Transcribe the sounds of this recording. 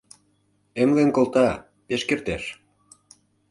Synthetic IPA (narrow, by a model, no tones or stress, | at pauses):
emlenkolt̪ɑ | peʃkert̪eʃ